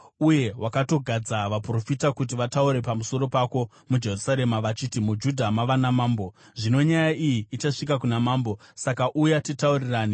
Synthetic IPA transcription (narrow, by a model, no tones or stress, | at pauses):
uje̞wʔakato̞ɡʱad͡zaʋapro̞fitakut̬iʋatauɾe̞pamuso̞ɾo̞pako̞ | mud͡ʒe̞rusaɾe̞maʋat͡ʃitimud͡ʒudʱamaʋanamaːmbo̞ | ʐino̞ɲajaʔijiːt͡ʃaʂik̬akunamaːmbo̞sakaʔujatitauriraːni